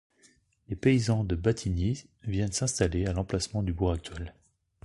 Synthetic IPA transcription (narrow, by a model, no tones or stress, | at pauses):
lepeizɑ̃d̪əbat̪ʰini | vjɛnsɛ̃st̪alealɑ̃plasmɑ̃d̪ybuʁak̚t̪ɥɛl